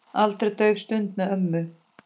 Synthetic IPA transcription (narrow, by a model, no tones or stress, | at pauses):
alt̪ɾɪt̪œɥvst̪ʏnt̪mɛœmːʏ